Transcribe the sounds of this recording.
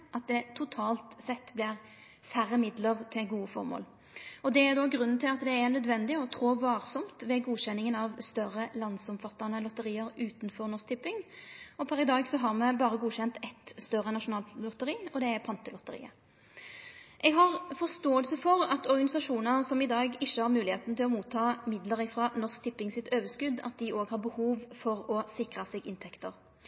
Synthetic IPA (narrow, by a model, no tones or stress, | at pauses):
ʔɑt̪̚d̪ɛt̪ʰʊt̪ʰɑːlt̪sɛt̪ːblɪʁ | sæɾːəmɪd̪ləʁt̪ʰɪlɡuːəfɔ̰ɾmo̰ːl | ɔd̪ɛæɾd̪ɔɡɾʉnːn̩t̪ʰɪlɑt̪d̪ɛːnœd̪ʋɛnd̪ɪɔt̪ʰɾoːʋɑːɾsɔmt̪ʋɛɡuːɕɛnːɪŋənɑʋst̪œɾəlɑnd̪sɔmfɑt̪ːɑnəlɔt̪əɾiːəɾʉːt̪nfɔɾnɔsk̚t̪ɪpːɪŋɔpʰɑɾɪd̪ɑːɡsɔɦɑɾmɛbɑːʁəɡuːɕɛnt̪ɛt̪st̪œʁːənɑʂʊnɑːllɔt̪əɾiːɔd̪ɛæpʰɑnt̪əlɔt̪əɾḭːə̰ | ʔɛɡɦɑʁfɔʁst̪oːəlsəfɔɾɑt̪ɔɾɡɑnɪsɑʂuːnənəsɔmɪd̪ɑːɡɪçːəhɑɾmʉːlɪheːt̪n̩t̪ʰɪlɔmuːt̪ʰːɑːmɪd̪ləɾɪfɾɑnɔsk̚t̪ʰɪpːɪŋsɪt̪øːʋəskʉd̪ɑ̰t̪̚d̪ɪʔoːɡhɑɾbəhuːʋfɔʁɔsɪkʁəsɛɡɪnt̪ʰɛkt̪əʁ